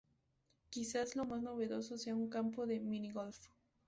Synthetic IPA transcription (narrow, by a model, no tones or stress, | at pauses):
kisaslo̞masno̞βe̞ðo̞soseauŋkampoðe̞mĩniɣolf